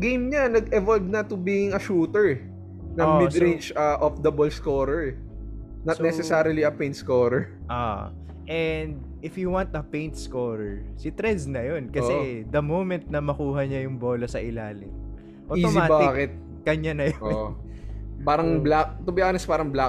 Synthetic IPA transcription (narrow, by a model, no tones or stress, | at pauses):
ɡejmɲɐnɐɡɛvolb̚nɐt̪ʊbiɪŋɐʃuːt̪ɛɹ | nɐoɪd̪ɾind͡ʒɐʔofd̪ɐbolskoːɾɛɹɛ | nɐnɛsɛsaɾɐliɐpẽjnt̪̚skoːɾɛɹ | ʔo̰ | ʔɛnd̪̚ | ɪfjʊwant̪ɐpẽjnt̪̚skoːɾɛɹsɪt̪ɾɛnsnɐjonkɐsɛd̪ɐmowmɛnt̪̚nɐmɐkuːɦɐɲɐjʊŋboːlɐsɐʔɪlaːlɪ̰ŋ | ʔoiosɪmaːbaɪaːkɪt̪̚ | kɐɲɐnɐjooʔ | paːɾɐŋblak̚t̪ʊbɪjakɐnɛspaːɾɐŋbla